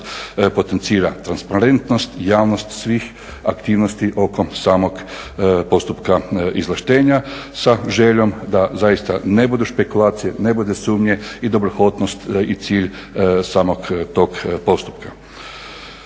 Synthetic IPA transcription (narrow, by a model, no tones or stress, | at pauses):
po̞t̪ent̪siːɾat̪ɾanspaɾe̞nt̪nost̪jaːʋnost̪sʋiːx | akt̪iːʋnost̪iʔo̞komsaːmok | po̞st̪upkaizlˠaʃt̪eːɲa | saʒeʎomd̪azajist̪a̰nebud̪uʃpekulaːt̪sijenebud̪esuːmɲeid̪obɾoxo̞d̪nost̪it̪siːʎ | saːmokt̪okpo̞st̪u̥pka